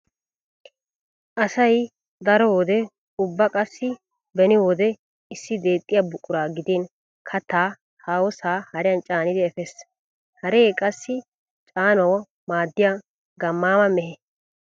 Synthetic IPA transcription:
ʔɐsɐj | d̪ɐɾɔwɔd̪ɛ | ʊbːɐkʼɐsːɪ | bɛnɪwɔd̪ɛ | ɪsːɪd̪e̞ːt̪ʼːɪjabʊkʼːʊɾaːɡɪd̪eːn | kʰɐt̪ːaː | haːwɔsaːhɐɾɪjɐnt͡ʃʼaːnɪd̪ɪɛfɛs | hɐɾeːkʼɐsːɪ | t͡ʃʼaːnɐw | maːd̪ːɪja | ɡɐmːaːmɐmɛɦɛ

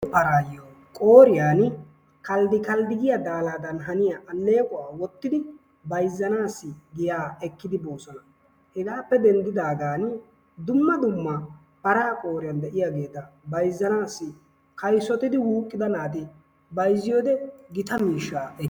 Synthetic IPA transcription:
pɐɾaːjo | kʼoːɾɪjaːn | kɐld̪ɪkɐld̪ɪɡɪjad̪aːlaːd̪ɐnɦɐnɪjaʔɐlːe̞ːkʼʊwaːwɔt̪ːɪd̪ɪ | bɐjzːɐnaːsːɪɡɪjaːɛkːɪd̪ɪbo̞ːsɔnɐ | hɪɡaːpːɛd̪ɛnd̪ɪd̪aːɡaːn | d̪ʊmːɐd̪ʊmːɐ | pɐɾaːkʼo̞ːɾɪjɐnd̪ɛʔɪjaɡeːt̪ːɐ | bɐjzːɐnaːsːɪ | kɐjsɔt̪ɪd̪ɪwuːkʼːɪd̪ɐnaːt̪ɪ | bɐjzːɪjoːd̪ɛɡɪt̪ɐmiːʃːaːɛ

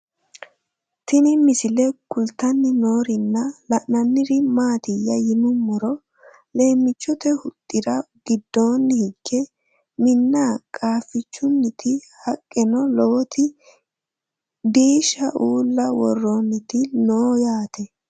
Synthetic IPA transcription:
t̪ɪnɪmɪsɪlɛkʊlt̪ɐnːɪno̞ːɾɪnːɐlɐʔnɐnːɪɾɪmaːt̪ɪjːɐjɪnʊmːɔɾɔ | le̞ːmːɪt͡ʃːɔt̪ɛhʊt̪ʼːɪɾɐ | ɡ̥ɪd̪ːo̞ːnːɪhɪɡ̥ːɛ | mɪnːakʼaːfɪt͡ʃːʊnːɪt̪ʰɪ | hɐkʼːɪnɔloːt̪ʰɪ | d̪iːʃɐʔuːlːɐwɔ̰rːonːɪt̪ɪnoːjaːt̪ɛ

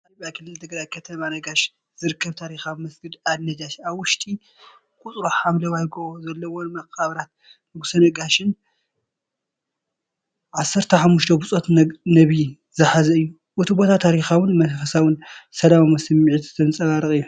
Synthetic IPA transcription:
ɐɾbʼjakʰɨlːɨlt̪ʰɨɡɾajkʰɐt̪ʰɐmanɐɡaʃ | zɨɾɨkʰːɐβt̪ʰaɾixamɐsɡɨd̪ad̪nɐd͡ʒaʃaβwʊʃt̪ʼi | kʼut͡sʼɾoħamlɐwajɡoozɐlːɐwonmɐkʼːaβɾat̪̚ | nɨɡusɐnɐɡaʃɨn | ʕasːɐɾt̪ʰɐħamːuʃt̪ʰɐbut͡sʼot̪nɐβi | zɨħazɐɨjːu | ʔut̪ʰɨbot̪ʰat̪ʰːaɾixawʊnmɐfɐsawʊnsɐlamamɐsɨmiʕit̪ɨ̥t̪ʰɐnt͡sʼɐβaɾɨkʼɨjːu

